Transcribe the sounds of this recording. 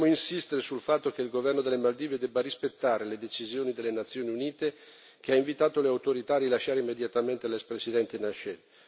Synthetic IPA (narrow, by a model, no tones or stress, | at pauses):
moinsist̪eɾesulfat̪ːok̟eilɡovɛrnod̪elːemald̪iːved̪ɛbːarispet̪ːaːɾeled̪et͡ʃizjoːnid̪elːenat̪sːjoːniuniːt̪e | keaiɱvit̪aːt̪oleawt̪oɾit̪aːɾilaʃːaːɾeimːed̪jat̪ament̪elɛkspɾesid̪ɛnt̪enaʃɛ